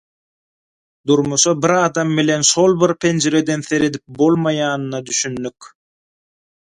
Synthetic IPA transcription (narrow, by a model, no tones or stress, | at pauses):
d̪uɾmuʃɑbiɾɑːd̪ɑmːile̞nʃo̞lˠbiɾpʰend͡ʒeɾe̞d̪e̞nθe̞ɾe̞d̪ip̚bo̞lˠmɑjɑːnɯnɑd̪yʃynːyk